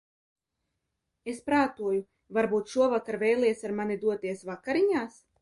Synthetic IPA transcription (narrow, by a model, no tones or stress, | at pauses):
espɾaːt̪uɔju | vaɾbuːt̪ʃuɔvakaɾvʲɛjlˠiɛsaɾmanid̪uɔt̪iɛsvakaɾiɲaːs